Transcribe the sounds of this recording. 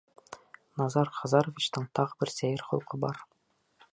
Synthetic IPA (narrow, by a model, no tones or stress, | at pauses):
nɑzɑɾχɒzɑɾovʲit͡ɕt̪ɤɴt̪ɑʁbɘɾsæjɘɾχŏlˠqɤbɑɾ